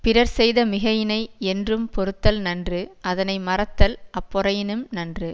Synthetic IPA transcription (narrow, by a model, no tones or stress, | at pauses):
pɪɾɐɾsɛjðɐmɪɣɐjɪnɐɪɛndrɯmpɔɾɯt̪ːɐlnɐndrɯɐðɐnɐɪmɐrɐt̪ːɐlʔɐpːɔɾɐjɪnɯmnɐndrɯ